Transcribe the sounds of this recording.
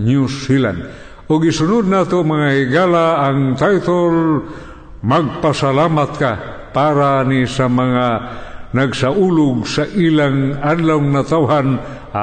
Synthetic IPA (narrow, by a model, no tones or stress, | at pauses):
ɲusila̰nd | ʊɡisʊnʊd̪̚nat̪omaŋaiɡalaːŋt̪ajt̪ol | maɡ̚pasalamat̪̚ka | paɾanisamaŋanaɡsaʔulʊɡ̚saʔilaŋad̪lawŋnat̪awɦan | a